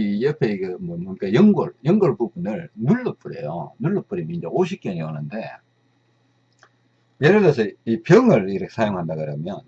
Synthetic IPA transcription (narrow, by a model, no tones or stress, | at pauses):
ijʌpʰe̞iɡemʌmk͈ajʌŋɡʌɭjʌŋɡʌɭpubunɯɭnuɭːʌp͈ʰuɾḛjo̰nuɭːʌp͈ʰuɾimind͡ʑʌoɕ̬ʰik͈iʌniʌnɯnde̞ | jeɾɯlesʰʌipjʌŋɯɭiɾʌkʰesʰajoŋɦandaɡɯɾʌmjʌn